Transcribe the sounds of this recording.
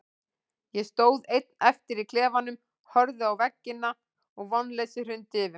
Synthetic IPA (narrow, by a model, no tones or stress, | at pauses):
jɛst̪oːwðejt̪̚nɛft̪ɪɾikʰlɛːvanːʏm | hœɾðʏawvɛcːɪnːa | ɔɣvɔnːlesɪr̥ʏnt̪ɪvʏ